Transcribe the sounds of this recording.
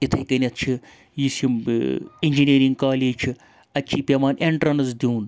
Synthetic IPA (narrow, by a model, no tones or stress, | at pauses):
it̪ʰɐjkɐnʲɐt̪ʰt͡ʃʰi | jisimiɲʲd͡ʒiniːɾiŋɡkaːleːt͡ʃʰi | ɐt͡ʃʰiːpʲeʋaːnʔeɳʈɾɐnɐzd̪ʲiːn